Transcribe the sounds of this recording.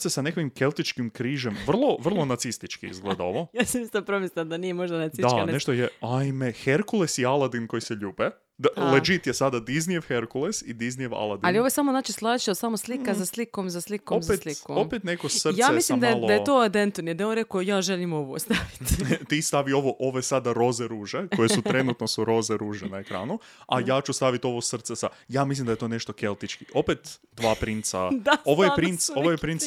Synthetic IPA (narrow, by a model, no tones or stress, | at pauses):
sesane̞kʋimkelˠt̪it͡ʃkimkɾiːʒemʋr̩lˠo̞ʋr̩lˠo̞nat̪sist̪it͡ʃkḭizɡled̪ao̰ʋojaːsamist̪apɾomisd̪anijemoʒd̪anaid̪anneʃt̪ojeajmexeɾkulˠesialˠad̪inko̞jiseʎuːbe | d̪aled͡ʒit̪jesad̪ad̪iznijeʋxeɾkulˠesid̪iznieʋa̰lˠad̪ialˠioojesamoznaːt͡ʃislˠaːt͡ʃiosamoslikazaslikomzaslikoomzet̪likoopet̪nekosr̩tjaaːmemislimd̪ajelod̪jet̪oːad̪ent̪unjed̪ajeonɾekojaːʒelimoʋost̪aʋi̥t̪t̪iːst̪aʋio̞ʋoʔoʋesad̪aɾo̞zeɾuːʒekojesut̪ɾenut̪nosuɾo̞zeɾuːʒenaekɾa̰ːnu | ajaːt͡ʃust̪aʋit̪o̞ʋosr̩t̪sesa̰jaːmis̬lʲimd̪aet̪oːneʃt̪o̞kelˠt̪it͡ʃkiʔo̞pet̪ | d̪ʋaːpɾint̪sa̰d̪ao̞ʋojjepɾint̪so̞ʋojepɾint̪s